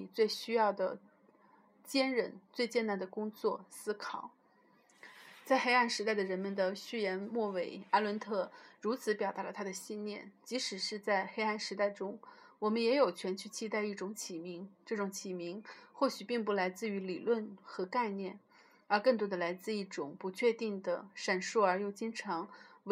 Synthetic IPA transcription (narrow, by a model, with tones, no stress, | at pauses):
t͡swe˥˧˩ɪɕy˥jɑ˥˩ʊd̪ə˩ | t͡ɕjɛ˥nɻə˧˥nt͡swe˥˧ɪt͡ɕjɛ˥˩na˧˥nd̪ə˨˩kʊ˥ŋt͡swɔ˥˩sɹ̩˥kʰɑ˨˩˦ʊ | t͡sa˥˧ɪxe˥ɪa˥˩nʂɻ̩˧˥t̪̬a˥˩ɪd̪ə˩ɻə˧˥nmə˧nd̪ə˩ɕy˥jɛ˧˥nmwɔ˥˩we˧˩ɪa˥lwə˧˥nt̪ʰɤ˥˩ɻu˧˥t͡sʰɹ̩˧˥pjɑ˨˩ʊa˧˥lə˧t̪ʰa˥d̪ə˨ɕi˥˧nnjɛ˥˩nt͡ɕi˧˥ʂɻ̩˨˩ʂɻ̩˥˧t͡sa˥˩ɪxe˥ɪa˥˩nʂɻ̩˧˥t̪a˥˩ɪʈ͡ʂʊ˥ŋ | wɔ˨˩mə˧˦njɛ˧˥jo˨˩ʊt͡ɕʰɥɛ˧˥nt͡ɕʰy˥˧t͡ɕʰi˥t̪a˥˧ɪi˥˩ʈ͡ʂʊ˧˥ŋt͡ɕʰi˨˩mi˧˥ŋʈ͡ʂɤ˥˩ʈ͡ʂʊ˧˥ŋt͡ɕʰi˨˩mi˧˥ŋxwɔ˥˩ɕy˨˩pi˥˧ŋp̬u˥˩la˧˥ɪt͡sɹ̩˥˩˧y˧˥li˨˩lwə˥˩nxɤ˧˥ka˥˧ɪnjɛ˥˩n | ə˞˧˥kɤ˥˩ŋt̪wɔ˥d̪ə˨la˧˥ɪt͡sɹ̩˥˧i˥˩ʈ͡ʂʊ˨˩˦ŋpu˧˥t͡ɕʰɥɛ˥˧t̪i˥˩ŋd̪ə̰˩ʂa˨˩nʂu˥˩ə˞˧˥jo˥˧ʊt͡ɕi˥ŋʈ͡ʂʰɑ˧˥ŋ